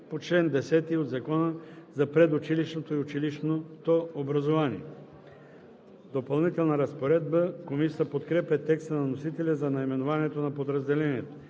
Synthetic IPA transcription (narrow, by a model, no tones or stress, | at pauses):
pot͡ʃlɛnd̪ɛsɛt̪iod̪zɐkɔnəzɐpɾɛd̪ʊt͡ʃiliʃnot̪oiʊt͡ʃiliʃnot̪oobɾɐzovanḭɛ | d̪opɐlˠnit̪ɛlˠnɐɾɐspoɾɛd̪̚bəkomisiəpot̪kɾɛpʲɛt̪ɛkst̪ənɐnosit̪ɛlʲɛzɐnɐimɛnovaniɛt̪onɐpod̪ɾɐzd̪ɛlɛniɛt̪o̥